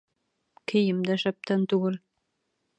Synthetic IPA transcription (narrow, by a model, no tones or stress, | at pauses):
kʰɘ̆jɘmd̪æʃæp̚t̪ænt̪uɡɘl